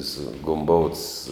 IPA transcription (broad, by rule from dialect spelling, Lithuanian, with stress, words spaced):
sʊ ɡʊmˈboːʊts